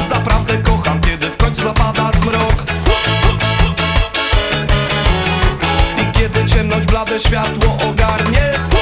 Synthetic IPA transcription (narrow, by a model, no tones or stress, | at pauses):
zapɾavd̪ɛkɔxamkʲjɛd̪ɘfkɔɲt͡suzapad̪azmɾɔk | ikʲɛd̪ɘt͡ɕɛmnɔʑd͡ʑblad̪ɛɕfʲjat̪wɔʔɔɡaɾɲɛ